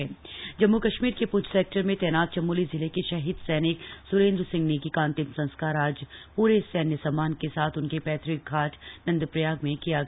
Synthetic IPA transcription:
ɛːd͡ʒɐmːukɐʃmiːɾkepʊt͡ʃʰseːk̚ʈəɾmẽt̪ɛːnaːt̪̚t͡ʃɐmːuːlizɪlekiʃɐɦiːd̪sɛːnɪksʊɾẽːnd̪ɾsɪ̃ŋɡnekikãːnt̪ɪmsɐ̃nskaːɾaːd͡ʒpuːɾesɛːnjəsamaːnkesaːt̪ʰʊnkepɛːt̪ʰɾɪk̚ɡʱaːʈʰnɐ̃nd̪pɾəjaːɡmẽkijaɡ

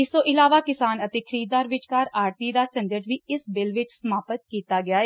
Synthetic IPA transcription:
ɪst̪õːʔɪlaːʋaːkɪsaːnət̪eːkʰəɾiːd̪aːɾʋɪt͡ʃkəɾaːɾt̪iːd̪aːt͡ʃə̃ɲd͡ʒəʈʋiːɪsbɪlʋɪt͡ʃsəmaːpət̪̚kiːt̪aːɡɪaːeː

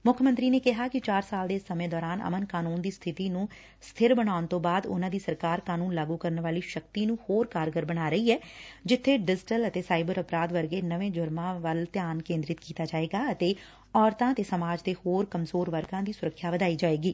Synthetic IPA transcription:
mʊkʰmənt̪ɾiːneːkɪɦaːkɪt͡ʃaːɾsaːld̪eːsəmẽːd̪ɔːɾaːnə̰mənkaːnuːnd̪iːst̪ʰɪt̪iːnũː | st̪ʰɪɾbəɽaːʊnt̪õːbaːd̪ʊ̰nãːd̪iːsəɾkaːɾkaːnuːnlaːɡuːkəɾnʋaːliːʃəkt̪iːnũːhoːɾkaːɾɡəɾbəɽaːɾəiːɛːd͡ʒɪt̪ʰːeːɖɪd͡ʒɪʈələt̪eːsaːɪbəɾəpɾaːd̪ʋəɾɡeːnəʋẽːd͡ʒʊɾmãːʋəlt̪jaːnkẽːnd̪ɾɪt̪kiːt̪aːd͡ʒaːeːɡaːət̪eː | ɔːɾt̪ãːət̪eːsəmaːd͡ʒd̪eːhoːɾkəmzoːɾʋəɾɡãːd̪iːsʊɾəkʰːjaːʋəd̪aːiːd͡ʒaːeːɡiː

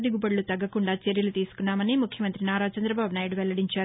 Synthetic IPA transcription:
d̪iɡupɐɽlut̪ɐɡːɐkuɳɖaːt͡ʃeɾjɐlut̪iːsu̥kunːaːmɐniːmukʰjɐmɐnt̪ɾinaːɾaːt͡ʃɐnd̪ɾɐbaːbunaːjiɽuʋɛlːɐɽiɲt͡ʃaːɾu

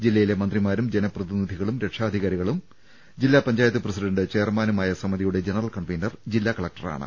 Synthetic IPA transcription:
d͡ʑilːɐjile̞mɐnd̪rimaːɾumd͡ʑe̞nɐprɐðinid̪ʱiɣɐɭumɾe̞ʈʂaːd̪ʱiɣaːɾiɣɐɭum | d͡ʑilːaːpɐɲd͡ʑaːjɐt̪̬ːɨprɐsiɖɐɳɖɨt͡ɕe̞ːrmaːnumaːjɐsɐmɐðijuɽe̞d͡ʑe̞nɐrɐlkɐɳʋejnːɐrd͡ʑilːaːkɐɭɐk̚ʈɐra̰ːɳɨ̰

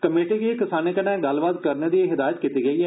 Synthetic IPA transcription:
kəmeːʈiːkiekɪsaːneːkənɛ̃ːɡəlbaːd̪kəɾneːd̪iːɦɪd̪aːjət̪̚kiːt̪iːɡəiːɛː

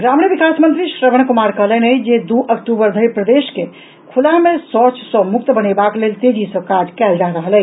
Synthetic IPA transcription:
ɡɾamniʋikasmənt̪ɾiʃɾəʋəñkumaɾkəɦlənəjd͡ʒed̪uʔəkʈubəɾd̪ʱəjpɾəd̪eʃke | kʰulamesɔt͡ʃsə̃muk̚t̪bənebaklelt̪ed͡ʒʱisə̃kad͡ʒkɛld͡ʒaɾəɦəlɛ

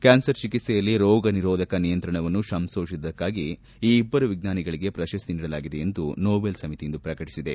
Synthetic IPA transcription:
kʲaːnsɐɾt͡ʃikit̪sɛjɐlːiɾɔːɡɐniɾɔːd̪ʱɐkɐnijɐnt̪ɾɐɳɐʋɐnːuʃɐmsoːʂisd̪ɐkːaːɡi | iːbːɐɾuʋiɡ̚naːniɡɐɭiɡe̞pɾɐʃɐst̪iniːɽɐlaːɡid̪e̞end̪unoːbelsɐmit̪ijind̪upɾɐkɐʈi̥sid̪e̞

